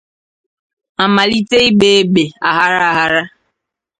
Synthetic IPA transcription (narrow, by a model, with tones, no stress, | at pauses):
a˨ma˨li˦te˦i˦be˦e˦be˨a˨ɦa˦ɾa˦a˨ɦa˦ɾa˦